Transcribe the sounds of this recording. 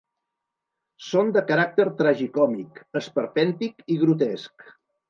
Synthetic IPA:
sond̪əkəɾak̚t̪əɾt̪ɾaʒikɔmikəspəɾfɛnt̪ikiɣɾut̪̬ɛsk

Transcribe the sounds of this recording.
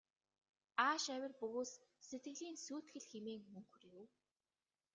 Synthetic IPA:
aːʃæwʲɪ̆rpɵɣoːsset̪̚ɡɘ̆ɣɮiːnsuːt̪xɘ̆ɮxemeːŋmɵŋxɵ̆rjʊw

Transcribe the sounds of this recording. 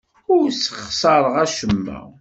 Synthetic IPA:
ʊɾsə̥χsˤɑɾˤəʁæʃəmːə̰

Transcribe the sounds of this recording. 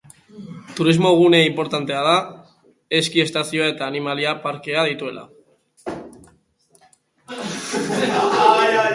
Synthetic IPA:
t̪uɾizmo̞ɣ̞une̞impo̞ɾt̪ant̪e̞aða | e̞skie̞st̪asioae̞t̪aːnimaliapaɾke̞að̞it̪ue̞lʔa̰

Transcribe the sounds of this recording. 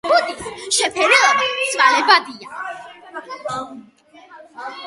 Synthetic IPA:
ɡud̪isʃɛpʰɛɾɛɔbasʰvalɛbad̪ia

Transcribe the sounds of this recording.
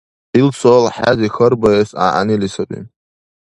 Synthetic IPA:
ilt͡sʷʰolħazixərbajesa̰ʔa̰nilisapʷʼḭ

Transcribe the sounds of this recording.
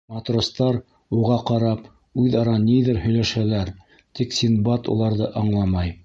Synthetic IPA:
mɑt̪rŏst̪ɑɾ | uʁɑqɑɾɑp | ʉðɑɾɑniðɘɾhɵ̆jlæʃælæɾ | t̪iksʲinbɑt̪ṵlˠɑɾðɤʔɑɴlˠɑmɑj

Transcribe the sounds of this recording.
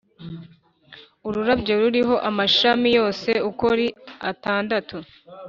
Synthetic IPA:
uɾuɾabɟe̞ɾuɾiɦo̞ʔamaʃamijo̞ːse̞ukoɾia̰taːndatʰu

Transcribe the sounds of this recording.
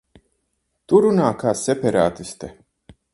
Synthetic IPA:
t̪uɾunaːkaːsɛpɛɾa̰ːt̪ist̪ɛ

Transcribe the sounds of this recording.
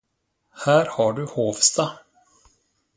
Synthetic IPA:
hæːɾhaɖɵhoːvst̪a

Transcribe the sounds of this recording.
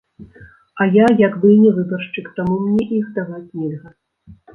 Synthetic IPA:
ɐjajaɡbɨnʲɛvɨbɐrʂt͡ʂɨkt̪amumnʲɛʔiwt̪aɣaknʲiɣɐ

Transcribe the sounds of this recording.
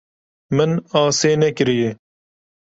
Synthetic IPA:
mɐnaːseːnekɪɾijeː

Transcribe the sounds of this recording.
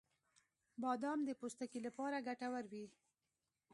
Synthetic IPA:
bɑd̪ɑmd̪əpost̪akilapɑɾaɡaʈawaɾwi

